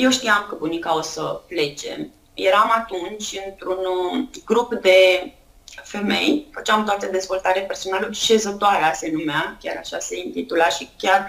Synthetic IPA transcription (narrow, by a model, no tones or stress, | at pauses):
je̞wʃt̪iamkəbunikaosəple̞t͡ʃe̞̰m | jeɾamat̪unt͡ʃʲɨnt̪ɾunɡɾupd̪e̞ | fe̞me̞̰jfət͡ʃeamt̪oat̪əd̪e̞zvo̞lt̪aɾepe̞rso̞nalulʃe̞zət̪oaɾease̞numeakʲaɾaʃase̞int̪it̪ulaʃikʲar